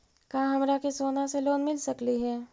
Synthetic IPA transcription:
kãːɦɐmɾakisoːnaseloːnmɪlsɐkliɦɛː

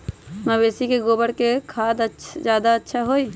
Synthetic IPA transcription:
məbeːsikeɡoːbəɽkekʰaːd̪əd͡ʒjaːd̪aətːʃʰaɦoːi

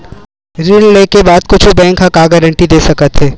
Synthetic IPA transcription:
ɾilleːkebaːd̪̚kʊt͡ʃʰubɛ̃ːŋkɦɐkaːɡəɾə̃ɳʈid̪eːsɐkət̪ɦɛː

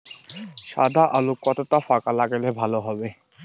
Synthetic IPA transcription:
ʃa̰d̪ʱaʔalukːɔt̪ot̪afakalaɡelebʱaloɦɔbe

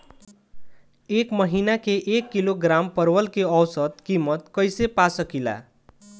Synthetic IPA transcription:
ekməɦinakeʔekːiloɡɾampʌɾwəlkeʌwsət̪kimət̪kʌjsepasʌkila̰

